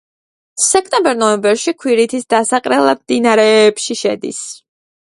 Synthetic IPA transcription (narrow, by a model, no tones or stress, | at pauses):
sɛkʰt̪ʼɛmbɛɾnɔɛmbɛɾʃikʰwiɾit̪ʰisd̪asaqʼɾɛlˠamd̪inaɾɛːpʃiʃɛ̰d̪ḭs